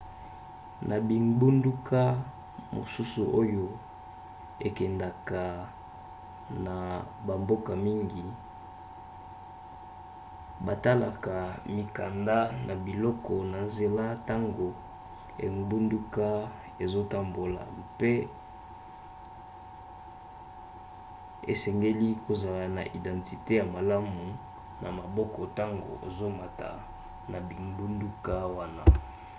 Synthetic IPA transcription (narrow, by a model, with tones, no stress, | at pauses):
nʔa˨bi˨ŋɡ͡bu˦ndu˦kʰa˦ | mo̰˨su˦su˨ʔo˦jo˦ | e˨kɛ˨nda˨ka˨ | na˨ba˨mbo˦ka˨mi˦ŋɡi˨ | ba˨ta˦la˨ka˨mi˨ka˨nda˦na˨bi˨lɔ˦kɔ˨na˨nze˨la˦ta˦ŋɡo˨ | ḛ˨ŋ˦bu˦ndu˦ka˦ | e˨zo˦ta˨mbo˨la̰˨pe˦ | ḛ˨sɛ˨ŋɡe˦li˦ko˨za˨la˨na̰˨ʔi˨dã˨nti˨te˦ja˨ma˨la˦mu˨ | nʔa̰˨ma˨bɔ˦kɔ˨ta˦ŋɡo̰˨ʔḛ˨zo˦ma˨ta̰˨ | na˨bi˨mbu˦ndu˦ka˦wa˦na˦